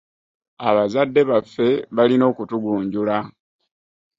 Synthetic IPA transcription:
aβazadːe̞βafːe̞βalino̞ːkutuɡuːɲɟula

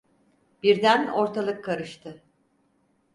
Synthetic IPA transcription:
b̥iɾd̪æno̞ɾt̪ʰalˠɯkʰːaɾɯʃt̪ʰɯ

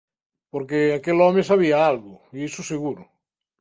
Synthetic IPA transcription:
poɾkeakelɔmesaβiaalɣʊiisuseɣuɾʊ

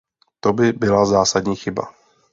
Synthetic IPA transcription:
t̪obɪbɪlazaːsad̪ɲiːxɪba̰

